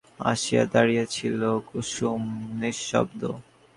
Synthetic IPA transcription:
a̰ʃia̰d̪aɾijet͡ɕʰilokuʃumniɔ̰bd̪o̰

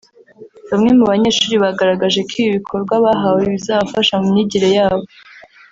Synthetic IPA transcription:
βamŋe̞muβaɲe̞ːɾʃuːɾiβaɡaɾaɡaʒe̞kʰiːiβikʰo̞ɾɡwaβaɦaweβizaβafaʃamumɲiɟiɾejaːβo

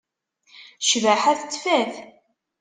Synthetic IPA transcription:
ʃvæħæθt͡sːfæθ

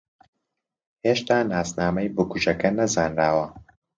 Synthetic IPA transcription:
heːʃt̪aːnaːsnaːmɐjbukuʒɐkɐnɐzaːnɾaːwɐ

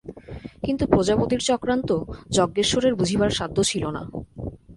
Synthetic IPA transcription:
kint̪upɾod͡ʑabod̪iɾt͡ɕɔkɾant̪od͡ʑɔɡːeɾʃoɾeɾbud͡ʑʱibaɾʃad̪ʱːot͡ɕʰilona̰

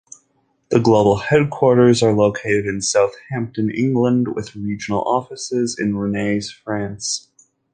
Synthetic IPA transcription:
ðəɡloʊbl̩ˠhɛd̚kʰw̥ɔɹɾə˞zə˞loʊkʰeɪɾɨɾɨ̃nsaʊθhæ̃mp̚tɨ̃nɪ̰̃ŋɡlə̃ndwɪ̰ðɹid͡ʒɨn̩l̩ˠɔfɨsɪzɨ̰̃nɹɨneɪz̥fɹæ̃ns

